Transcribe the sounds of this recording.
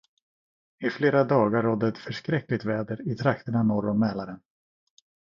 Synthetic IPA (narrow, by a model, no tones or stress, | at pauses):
ɪfleːɾad̪ɑːɡaɾːɔd̪ːət̪fœʂkɾɛkːlɪt̪vɛːd̪əɾɪt̪ʰɾakt̪əɳanɔɾɔmɛːlaɾən